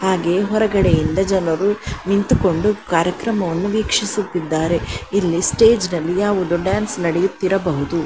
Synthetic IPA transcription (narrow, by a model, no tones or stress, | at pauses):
haːɡe̞ːɦɔɾɐɡɐɽe̞jind̪ɐd͡ʒɐnɐɾunint̪uko̞ɳɖukaːɾjɐkɾɐmɐʋɐnːuʋiːkʂisut̪ːid̪ːaːɾe̞ilːisʈe̞ːd͡ʒnɐlːijaːʋud̪uɖaːnsnɐɽejut̪ːiɾɐbɐɦud̪u